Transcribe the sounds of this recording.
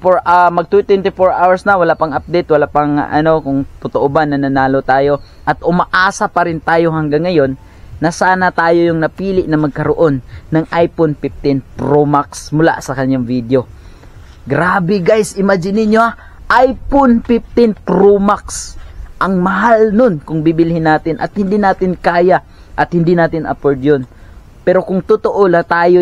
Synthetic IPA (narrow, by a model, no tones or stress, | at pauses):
poɹʔamɐɡ̚t̪ut̪ɛnt̪ɪfoɹʔawɐɹsnɐwɐlaʔpɐŋʔap̚d̪ɛjt̪̚wɐlaʔpɐŋʔɐ̰no̞kʊŋt̪ʊt̪oʔobanːɐnɐnaːlot̪aːjo̞ | ʔɐt̪̚ʔʊmɐʔaːsɐpɐɾɪnt̪aːjo̞ɦɐŋɡaŋːɐjo̞nː | ɐsaːnɐt̪aːjo̞jʊŋnɐpiːlɪʔnɐmɐɡ̚kɐɾoʔo̞nːɐŋʔajpʊnpɪp̚t̪ɪnpɾomaksmʊla̰sɐkɐɲjaŋvid̪o̞ | ɡɾaːbɛɡajsʔɪmad͡ʒɪnɪnjoha | ʔajponpɪp̚t̪ɪnpɾomaksʔɐŋmɐɦalnonkʊŋbibɪlhɪnːaːt̪ɪnʔɐ̰t̪̚hɪnd̪inaːt̪ɪnkaːja | ʔɐt̪̚hɪnd̪inaːt̪ɪnʔɐ̰poɹd̪jon | pɛːɾo̞kʊŋt̪ʊt̪oʔolɐt̪aːjo